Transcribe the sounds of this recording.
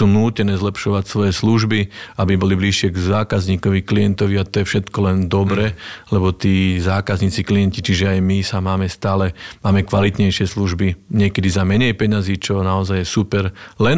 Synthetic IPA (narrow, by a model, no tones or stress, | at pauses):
uːnuːcɛnɛːzlɛpʃɔʋacsʋɔjɛsluʒbiabibɔlibliʃɪɛɡzaːkazɲiːkɔʋiklijɛnt̪ɔʋiat̪ɔjɛfʃɛt̪kɔlɛnd̪ɔbɾɛlɛbɔt̪iːzaːkazɲiːt͡siklijɛncit͡ʃiʒɛajmisamaːmɛst̪aːlɛmaːmɛkʋalit̪ɲɛjʃɪɛsluʒbiɲɪɛkɛd̪izamɛɲɛjpɛɲaziːt͡ʃɔnaɔzajjɛsupɛɾlɛn